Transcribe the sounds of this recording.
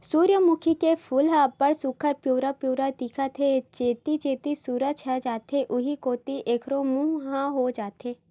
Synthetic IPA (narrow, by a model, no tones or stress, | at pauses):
suːɾjəmʊkʰikepʰʊːlɦaːpəɽsʊkʰəɾpjuːɾapjuːɾad̪iːkʰat̪ʰet͡ʃeːt̪it͡ʃeːt̪isuːɾəd͡ʒʰəd͡ʒaːt̪ʰeʔʊɦikoːt̪iʔeːkʰɾomũːɦɦãɦoːd͡ʒaːt̪ʰeː